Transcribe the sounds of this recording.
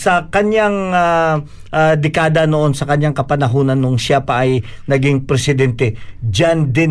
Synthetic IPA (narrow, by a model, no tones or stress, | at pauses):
sɐkɐnjaŋa | ad̪ɛkaːd̪ɐnoʔo̞nsɐkɐɲjaŋkɐpɐnɐɦoːnɐnːoŋʃapɐʔɐjnɐɡiŋpɾɛsɪd̪ɛnt̪ɛd͡ʒand̪ɪ